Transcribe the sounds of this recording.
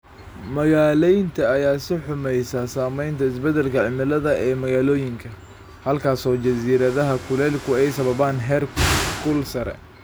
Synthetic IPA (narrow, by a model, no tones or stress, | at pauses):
mɐɣaːlɛjnt̪ʰɐːjaːsɪħʊmɛjsasaːmɛjnt̪ʰɐɪs̬bɛd̪ɛlkʰɐʕɪmɪlɐðɐɛːmɐɣaːlɔːjɪŋkʰɐ | hɐlkʰaːsɔːt͡ʃɐsiːɾɐðɐɦɐkʰʊlɛlkʰʊɛjsɐβɐβaːnɦɛːrkʰʊlsɐɾɛ̰